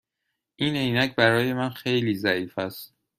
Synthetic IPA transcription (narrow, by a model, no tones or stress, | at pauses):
ʔiːne̞jnæcʰbæɾɒːje̞mænxe̞jliːzæiːfæst̪̚